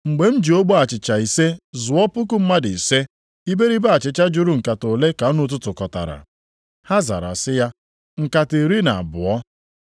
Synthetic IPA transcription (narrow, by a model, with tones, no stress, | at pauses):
ŋ͡m̩˨ɡ͡be˨m̩˦d͡ʒi˨o˦ɡ͡bo˦a˨t͡ʃɪ˨t͡ʃa˨i˨se˦zʊ˨ɔ˦pʊ˦k̬ʊ˦m̩˦ma˦dɪ˨se˦ | i˦be˦ɾi˦ba˦a˨t͡ʃɪ˨t͡ʃa˦d͡ʒʊ˦ɾu˦ŋ̩˨ka˨to˨le˦ka˨ɔ˦nʊ˦t̬ʊ˦tʊ˨kɔ˨ta̰˨ɾa̰˨ | ha˦za̰˨ɾa̰˨sɪ˦ja˦ | ŋ̩˨ka˨ti˨ɾi˦na˨a˨bʊ̰˨ɔ˦